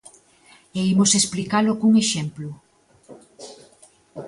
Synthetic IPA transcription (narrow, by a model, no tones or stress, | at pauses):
eimosesplikalokuŋeʃemplʊ